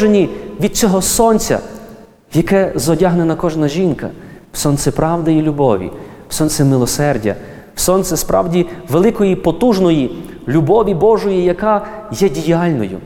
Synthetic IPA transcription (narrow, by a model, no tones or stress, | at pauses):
ʒenʲiʋʲid̪̚t͡sʲɔɦɔsɔnt͡sʲɐ̰ | jɐkɛzɔdʲaɦnenɐkɔʒnɐʒʲinkɐ̰wsɔnt̪sɛpɾɑwd̪ɐjilʲubɔʋʲḭwsɔnt̪sɛmɪlˠɔsɛrdʲɐ̰ | wsɔnt̪sʲɛspɾɑ̰wdʲiʋelˠɪkɔjipɔt̪uʒnɔji | lʲubɔʋʲibɔʒɔjijɐkɑjɛdʲijɑlʲnɔjʊ̰